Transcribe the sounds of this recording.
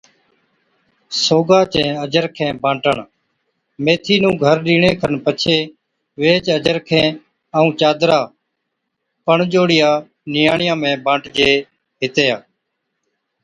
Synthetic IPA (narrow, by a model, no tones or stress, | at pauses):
soːɡaːt͡ʃɛ̃ːəd͡ʒəɾkʰẽːbãːɳʈəɳ | meːt̪ʰiːnũːɡʱəɾɗiːɳeːkʰəɳpət͡ʃʰeː | ʋeːt͡ʃəd͡ʒəɾkʰẽː | əũːt͡ʃaːd̪ɾaː | pəɳd͡ʒoːɽɪjaː | nɪjaːɳɪjãːmẽːbãːɳʈd͡ʒeː | ɦɪt̪eːaː